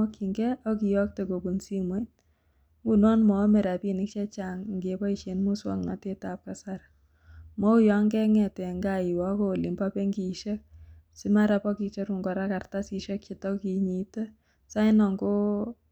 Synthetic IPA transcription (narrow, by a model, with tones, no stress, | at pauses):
ɔ˦kʰːi˨ŋɡɛ˦ʔɔ˦ki˨jɔ˦k̚te˨ko˨bu˨nsi˦mwe˦n | ŋɡunɔ˦nmɔ˨˦mɛ˨ɾa˨pini˦kʃɛ˦t͡ʃaŋŋɡepɔ˦iʃe˨nmu˦swɔ̰ŋna̰˨te˦tap̚ka˨saɾ | mɔ˦u˦jɔ˦ŋɡɛ˦ŋɛtɛ˨ŋɡai˨wa˦ko˨li˨mba˦pe˦ŋɡi˨ʃe˦k̚ | si˦ma˦ɾapɔ˦ki˧t͡ʃɔ˦ɾu˨ŋɡɔ˨ɾa˦ka˨rta˦si˧ʃɛ˦kt͡ʃi˨tɔ˦kiɲi˨tɛ | sa˦inɔ˨ŋɡo˦